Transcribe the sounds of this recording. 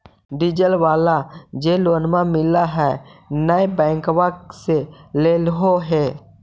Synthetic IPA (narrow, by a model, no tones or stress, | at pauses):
ɖid͡ʒəlʋaːlad͡ʒeloːnmãmɪlaɦɛnəebɛ̃ːŋkwakseleːlɦoɦeː